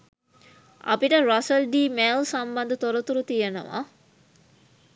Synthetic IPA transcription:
a̰piʈəɾasəlɖiːmelsamband̪ət̪oɾot̪uɾut̪ijeno̰ʋa̰

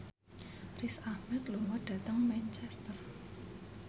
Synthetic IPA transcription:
risahmɛt̪lomɔɖ̥ä̤t̪əŋmɛnt͡ʃɛst̪ər

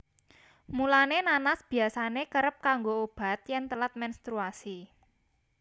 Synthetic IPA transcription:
mulanenanasb̥i̤asanekəɾəp̚kaŋɡoob̥a̤t̪̚jɛnt̪əlat̪̚mɛnst̪ɾuasi

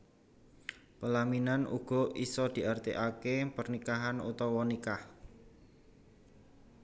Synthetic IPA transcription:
pəlaminanṵɡ̥ɔ̤isɔd̪̥i̤ʔart̪iʔakepərnikaɦanṵt̪ɔwɔnikah

